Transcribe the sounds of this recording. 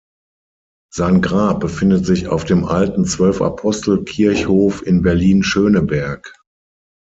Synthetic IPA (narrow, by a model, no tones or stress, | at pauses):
z̥aɪnɡʁaːp̚b̥əfɪndətz̥ɪça̰ʊfd̥eːmʔaltn̩t͡sv̥œlfa̰pʰɔstl̩kʰɪɐçhoːfɪnbɛɐliːnʃøːnəbɛɐk